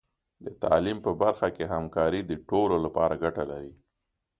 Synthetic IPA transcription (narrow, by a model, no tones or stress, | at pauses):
d̪ət̪ɑ̰limpəbaɾxakeɦamkɑɾid̪əʈololapɑɾaɡaʈalaɾi